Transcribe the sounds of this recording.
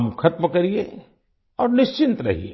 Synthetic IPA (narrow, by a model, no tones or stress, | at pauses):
mkʰɐt̪məkɐɾie | ɔːɾnɪʃt͡ʃɪnt̪ɾɐ̰ɦḭḛː